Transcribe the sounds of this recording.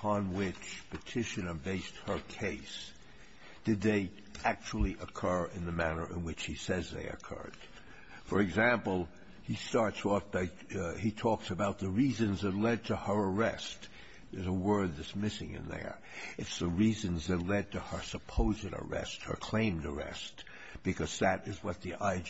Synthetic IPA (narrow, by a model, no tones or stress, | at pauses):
əpʰɑ̃nwɪt͡ʃpʰɨtʰɪʃɨ̃nə˞beɪst̚hə˞kʰeɪs | d̥ɨd̪̚ðeɪ | æk̚t͡ʃul̩ˠiʔəkʰɜ˞ɪ̃nðɨmænə̰˞ʔɨ̰̃nwɨt͡ʃhisɛzðḛɪɨ̰kʰɜ̰˞d̥ | fə˞ɨɡzæ̃mpl̩ˠ | histɑɹtsɔfba | itʰɔksɨbaʊt̪̚ðɨɹizɨ̃nzðətˡlɛd̚tʰɨə˞ə˞ɛ̰st | ðə˞zəwɜ˞dɨsmɪsɪ̃ŋɨ̰̃nðə̰˞ | ɨtsðəɹizɨ̃nzðɨtˡlɛd̚tʰɨə˞səpʰoʊzɨɾə̰˞ɛ̰st̚hə̰˞kʰl̥ẽɪ̃mdə˞ɛ̰st | b̥ɨkʰʌz̥ðɨɾɨzwʌt̪̚ðiʔaɪ